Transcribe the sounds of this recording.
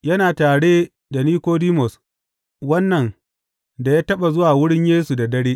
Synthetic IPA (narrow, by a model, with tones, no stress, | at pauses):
jɐ˦naː˨taː˨ɽeː˦ | da˨niː˦kʷoː˦diː˦mɔ˨s | wɐ˦nːɐ˨n | da˨jaː˦tɐ˦ɓa˨zʊ˦waː˨wʊ˦ɽɪ˦ɲjeː˦su˨da˨dɐ˦ɽeː˦ʔ